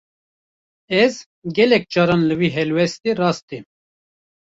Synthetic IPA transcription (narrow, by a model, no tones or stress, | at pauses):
ɛz | ɡʲɛlɛk̚d͡ʒɑːɾɑːnlɨwiːɦɛlwɛst̪erɑːst̪e